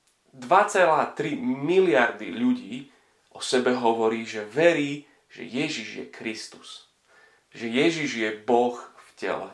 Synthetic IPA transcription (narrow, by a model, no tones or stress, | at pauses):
d̪ʋat͡sɛlaːt̪ɾimilɪaɾd̪ḭʎuɟiː | ʔɔsɛbɛɦɔʋɔɾiːʒɛʋɛɾiː | ʒ̥ɛ̰jɛʒiʒjɛ̰kɾist̪u̥s | ʒɛjɛʒiʒjɛbɔxfcɛ̰lɛ̰